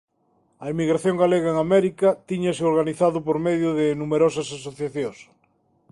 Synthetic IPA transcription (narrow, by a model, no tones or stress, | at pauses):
ɐemiɣɾaθjoŋɡaleɣ̞aeŋamɛɾikɐt̪iɲɐsɪoɾɣaniθaðʊpoɾmeðjʊðɪnumeɾosɐsasoθjaθjõŋs